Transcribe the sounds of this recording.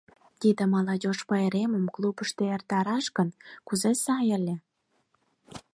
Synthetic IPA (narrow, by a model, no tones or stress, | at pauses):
t̪id̪ĕmɑlɑdʲoʃpəeɾeməmklubəʃt̪eert̪ɑɾɑʃkənkuzesɑjəlʲe